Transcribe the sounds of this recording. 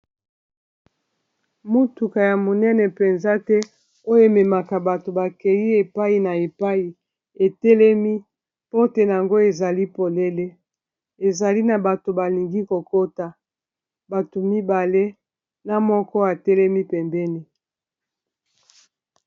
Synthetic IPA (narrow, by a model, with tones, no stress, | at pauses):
mo˦tu˨ka˨ja˨mo˨nɛ˦nɛ˨pɛ˨nza˦tɛ˦ | o˦jo˦e˨me˨ma˨ka˨ba˨to˨ba˨kɛ˨ji˦e˨pa˦i˨na˨e˨pa˦ji˨ | e˨tɛ˦lɛ˦mi˦ | po˦tɛ˦n˨a˨ŋɡo˦e˨za˨li˦po˨le˦le˦ | e˨za˨li˦na˨ba˨to˨ba˨li˨ŋɡi˦ko˨ko˦ta˨ | ba˨to˨mi˦ba˨le˦ | na˨mɔ˦kɔ˦a˨tɛ˦lɛ˦mi˦pɛ˨mbɛ˦ni˨